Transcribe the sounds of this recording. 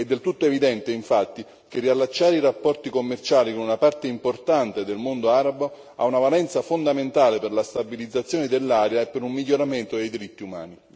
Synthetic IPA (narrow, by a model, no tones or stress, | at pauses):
ɛd̪ːelt̪ut̪ːoevid̪ɛnt̪eiɱfat̪ːi | kerialːat͡ʃːaːɾeiɾapːɔrt̪ikomːert͡ʃaːlikonunapart̪eimport̪ant̪ed̪elmond̪oaːɾabo | a̰unavalɛnt̪safond̪ament̪aːleperlast̪abilid̪zːat̪sːjɔːned̪elːaːɾjaepːeɾummiʎːoɾament̪od̪ejd̪iɾit̪ːiuma̰ːni